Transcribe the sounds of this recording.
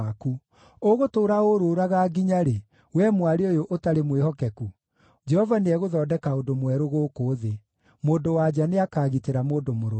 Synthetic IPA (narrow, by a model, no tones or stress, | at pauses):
aku | oɣotoːɾaoɾoɾaɣaːɡiɲaɾe | wɛmwaɾeojoʔotaɾemwehɔkɛku | d͡ʒɛhɔvaneɛɣoðɔːdɛkaodomwɛɾoɣoːkoːðe | moːdowad͡ʑaneakaːɣiteɾamoːdomoɾo